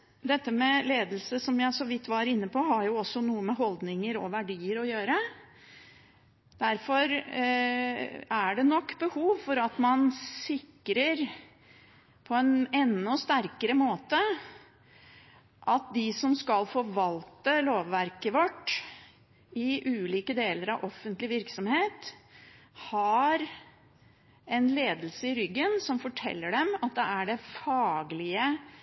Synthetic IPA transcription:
d̪ɛt̪ːəmɛleːd̪əl̩səsɔmjæɪsɔʋɪt̪ːʋɑɾɪnːəpʰɔɦɑɾjʊɔsːɔnuːəmɛɦɔld̪nɪŋəɾɔ̰ʋæɖiːəɾɔjøːɾə | d̪̥æɾfɔɾ | æɖɛnɔkːbəhuːʋfɔɾɑt̪mɑnsɪkːɾəɾ | pʰɔɛnɛnːɔst̪æɾkəɾəmoːt̪ə | ʔɑt̪̚d̪ɪsɔmskɑlfɔɾʋɑlt̪əloːʋːæɾkəʋɔʈː | ɪʔʉːliːkəd̪eːləɾɑʋʔɔfːənt̪lɪʋɪɾksɔmheːt̪ | hɑɾ | ɛnleːd̪əl̩səɪɾʏɡːənsɔmfɔʈʰɛ̰lːəɖɛmɑt̪̚d̪ɛæɖɛfɑːɡlɪə

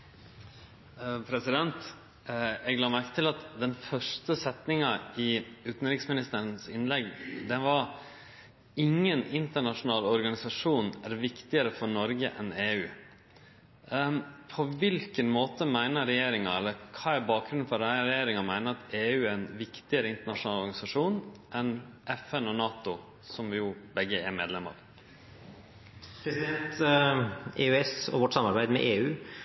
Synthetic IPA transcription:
pʰɾɛsɪd̪ɛnt̪ | ɛɡlɑːmæɾkət̪ʰɪlɑt̪d̪ɛnfœʂtəsɛt̪nɪŋɑɪʉːt̪n̩ɾɪksmɪnɪst̪əɾənsɪnlɛɡd̪ɛnʋɑɾ | ɪŋːənɪnt̪əɳɑʂʊnɑːlɔɾɡɑnɪsɑʂuːnæɾʋɪkt̪ɪəɾəfɔɾɳɔɾɡəʔɛneːʉː | pʰɔʋɪlkənmoːt̪əmæɪnəɾɛjeːɾɪŋɑɛlːəɾkʰɑːæɾbɑːk̚ɡɾʉn̩fɔɾæɾɛjeːɾɪŋɑmæɪnəɾɑt̪eːʉːæɾnʋɪkt̪ɪəɾəɪnt̪əɳɑʂʊnɑːlɔɾɡɑnɪsɑʂuːnʔɛnʔɛfɛnɔnɑːt̪ʊ | sɔmjuːbɛɡːəɛɾmḛːd̪lɛmə̰ɾ | pʰɾɛsɪd̪ɛnt̪ | eːʉɛsɔ̰ʋɔʈsɑmɑɾbæɪd̪mɛ̰ʔeːʉː

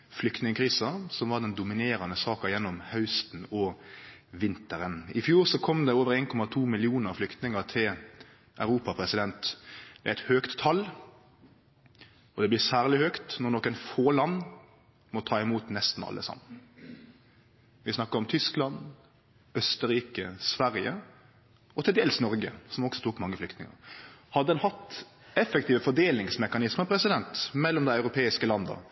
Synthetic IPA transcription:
flʏkt̪nɪŋəkʰɾiːsɑsɔmʋɑʁd̪ɛnd̪ʊmɪneːɾɑnəsɑːkɑjɛnːɔmhɑʉst̪n̩ɔ | ʋɪnt̪əɾənɪfjuːɾsɔkʰɔmd̪ɛoːʋəɾeːnkʰɔmɑt̪ʰuːmɪlɪuːnəɾflʏkt̪nɪŋəʁt̪ʰɪl | ʔæʉɾuːpɑpʰɾɛsɪd̪ɛnt̪bɛæɪt̪høːkt̪ʰːɑl | ɔd̪ɛblɪsæːʁlɪhøːkt̪nɔʁnɔːkənfoːlɑnː | mɔt̪ʰɑːɪmuːt̪nɛst̪n̩ɑ̰lːə̰sɑ̰mːən | ʋɪsnɑkːəɾɔmt̪ʰʏsklɑn | œst̪əɾiːkəsʋæɾjə | ɔt̪ʰɪld̪eːlsnɔɾɡə̰sɔmɔksɔ̥t̪ʰuːkmɑŋːəflʏkt̪nɪŋə̰ɾhɑd̪əd̪ɛnhɑt̪ː | ɛfəkt̪iːʋəfɔɖ̪eːlnɪŋsmɛkɑnɪsməpʰɾɛsɪd̪ɛnt̪mɛlːɔmd̪æɪɑʉɾʊpʰeːɪskəlɑnd̪ə̰

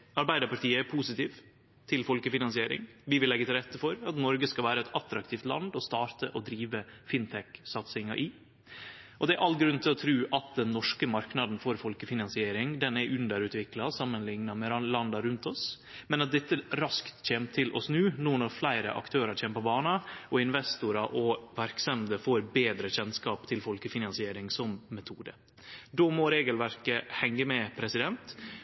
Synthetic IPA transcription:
ɑɾbæɪd̪əɾpɑɾʈ̪iːəæɾpʰusɪt̪iːʋ | t̪ʰɪlfɔlkəfɪnɑnsɪeːɾɪ̰ŋʋɪʋɪlːɛɡːət̪ɪlɾɛt̪ːəfɔɾɑt̪nɔɾɡəskɑlʋæːɾəɛt̪ɑt̪ɾɑk̚t̪ʰiːft̪lɑ̰nd̪ɔst̪ɑːɾt̪əʔɔd̪ɾiːʋəfɪnt̪ʰɛksɑt̪sɪŋɑʔɪ | ʔɔd̪ɛæɾʔɑlɡɾʉnt̪ʰɪlɔt̪ʰɾʉːʔɑt̪̚d̪ɛnːɔʂkəmɑɾknɑd̪n̩fɔɾfɔlkəfɪnɑnsɪeːɾɪŋd̪ɛnɛʔʉnd̪əɾʉːt̪ʋɪklɑsɑmːənlɪŋnɑmɛlɑnd̪ɑɾʉnt̪ɔs | mɛnɑt̪̚d̪ɛt̪ːəɾɑskt̪c͡çeːmtt̪ʰɪlʔɔsnʉːnuːnɔɾflæɪɾə̰ʔɑ̰kt̪ʰøːɾɑt͡ʃʰeːməpʰɔbɑːnɑʔɔɪnʋɛst̪ʊɾɑʔɔʋæɾksɛmd̪əfoːɾbeːd̪ɾəçɛnskɑːpt̪ʰɪlfɔlkəfɪnɑnsɪeːɾɪŋsɔmːɛt̪ʰuːd̪ə̰ | d̪ɔmɔɾeːɡəlʋæɾkəhɛŋːəmɛpʰɾɛsɪd̪ɛnt̪

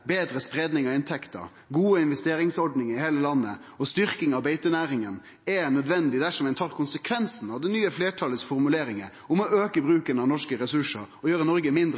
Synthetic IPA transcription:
beːd̪ɾəspɾeːd̪nɪŋɑɪnt̪ʰɛkt̪ə̰ɾ | ɡuːəɪnʋɛst̪eːɾɪŋsɔɖnɪŋɪheːləlɑnːə̰ | ɔst̪ʏɾkɪŋɑʋbeɪt̪ənæːɾɪŋən | ɛnœd̪ʋɛnd̪ɪd̪æʂɔmæɪnt̪ʰɑːɾkʰʊnsəkʰʋɛnsn̩ɑʋd̪ɛnyːəfleːʈʰɑləsfɔɾmʉleːɾɪŋə̰ | ɔmɔʔøːkəbɾʉːkənɑʋnɔʂkəɾɛsʉʂəɾɔjøːɾənɔɾɡəmɪnd̪ɾ

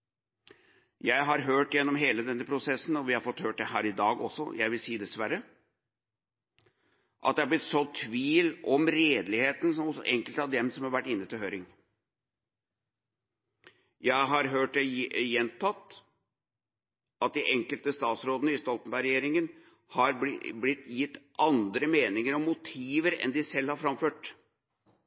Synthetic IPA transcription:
jæɪɦɑɾɦøːʈjɛnːɔmɦeːləd̪ɛnːəpʰɾʊsɛsːn̩ɔʋɪhɑɾfɔt̪høːʈ̚d̪ɛɦæːɾɪd̪ɑːɡɔsːɔ̰jæɪʋɪlsiːd̪ɛsʋæɾə | ʔɑ̰t̪̚d̪ɛɑɾblɪt̪ːsɔt̪ʰːʋiːlɔmɾeːd̪lɪheːt̪n̩sɔmɔsɔ̰ʔɛŋkəlt̪ɑʋd̪ɛmsɔmhɑɾʋæʈːɪnːət̪ɪlɦøːɾɪŋ | jæɪɦɑɾɦøːʈd̪ɛjɛnt̪ʰɑt̪ː | ʔɑt̪̚d̪ɪʔɛŋkəlt̪əst̪ɑːt̪sɾoːd̪ənəɪst̪ɔlt̪n̩bæɪɾɛjeːɾɪŋən | hɑɾblɪt̪ːjɪt̪ːʔɑnd̪ɾəmeːnɪŋəɾɔmːʊt̪ʰiːʋəɾɛ̰nd̪ɪsɛlhɑɾfɾɑmføːʈ

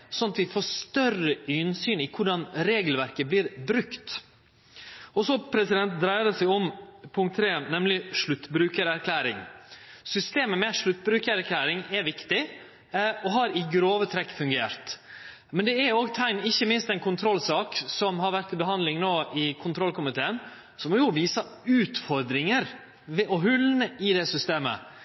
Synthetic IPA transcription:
sɔnɑt̪ʋɪfoːʂt̪œrəynsyːnɪkʰʊɖɑnɾeːɡlʋæɾkəblɪɾbɾʉkt̪ | ɔsɔpʰɾɛsɪd̪ɛnt̪̚d̪ɾæɪəd̪ɛsæɡɔmpʰʊŋkt̪ʰːɾeːnɛmlɪʂɭʉt̪ːbɾʉːkəɾæɾkʰlæːɾɪ̰ŋsʏst̪eːməmɛʂɭʉt̪̚ːbɾʉːkəɾæɾkʰlæːɾɪŋɛʋɪkt̪ɪ | ɔɦɑɾɪɡɾoːʋət̪ʰɾɛkːfʉŋɡeːɾt̪ | mɛnd̪ɛɛɾoːɡt̪ʰæɪnɪçːəmɪnst̪ɛnkʰʊnt̪ʰɾɔlːsɑːksɔmhɑɾʋæɾt̪ɪbəɦɑnd̪lɪŋnoːʔɪkʰʊnt̪ʰɾɔlkʊmɪt̪ʰeːən | sɔmɔjʊʋiːsɑ | ʉːt̪fɔɾd̪ɾɪŋəɾ | ʋɛʔɔɦʉlnəɪd̪ɛsʏst̪eːmə̰

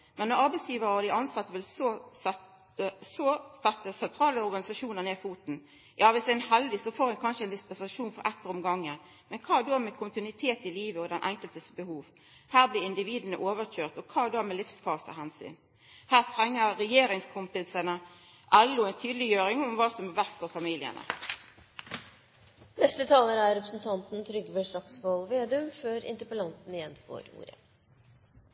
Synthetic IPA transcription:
mɛnːɔʁɑɾbɛɪsjiːʋəɾəɔd̪ɪʔɑnsɑt̪ːəʋɪlsɛ | sɔsɛt̪ːəsɛnt̪ʰɾɑːləɔɾɡɑnɪsɑʂuːnəʁneːfuːt̪n̩ | jʔɑːʋɪsd̪ænɦɛld̪ɪsɔfoːɾhʉnkʰɑnʃəɛɪnd̪ɪspɛnsɑʂuːnfɔɾʔɛt̪ːəɾɔmɡɑŋːə | mɛnkʰɑːd̪omɛkʰʊnt̪ɪnʉɪt̪ʰeːt̪ɪliːʋəɔd̪ɛnʔɛŋkəlt̪əsbəhuːʋ | hæːʁblɪɪnd̪ɪʋiːd̪ənəʔoːʋəçøːʁt̪ɔkʰɑːd̪omɛlɪfsfɑːsə̰ɦɛnsy̰n | hæːʁt̪ʰʁɛŋːəːɛjeːɾɪŋskʰʊmpɪsənə | ʔɛlːʊɛɪnt̪ʰyːd̪lɪjøːɾɪŋʊmʋɑːsɔmæʋæst̪ɔfɑmiːlɪə̰nʔə̰ | nɛst̪ət̪ʰɑːləɾəæɾɛpɾəsn̩t̪ʰɑnt̪n̩t̪ʰɾʏɡʋɛʂɑksʋɔlʋeːd̪ʉmføɾɪ̰nt̪əɾpəlɑnt̪n̩ɪjɛnfo̰ːɾṵːɾə̰

